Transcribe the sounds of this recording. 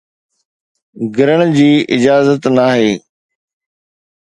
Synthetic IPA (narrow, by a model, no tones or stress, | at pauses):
ɡʱɪɾəɽ̃d͡ʑiːʔɪd͡ʑaːzət̪naːɦeː